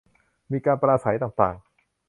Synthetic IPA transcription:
miː˧kaː˧npɾaː˧sa˩˦jt̪aː˨˩ŋt̪a̰ː˨˩ŋ

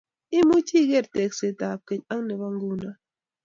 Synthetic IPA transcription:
i˦mu˦t͡ʃi˦˨ɡe˦˨ɾtɛ˨k̚se˨ta˨p̚ke˨ɲa˦ŋne˨βa˦ŋ˦ɡu˦na˦

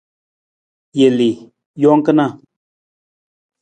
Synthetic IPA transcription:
je˨li˨ | jɔ˦ŋ˦kə˦na˦˨

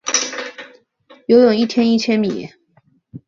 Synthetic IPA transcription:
jo˧˥ʊjʊ˨˩ŋi˥˩t̪ʰjɛ˥ni˥˩t͡ɕʰjɛ˥nmi˨˩jɛ̰˧˥˦

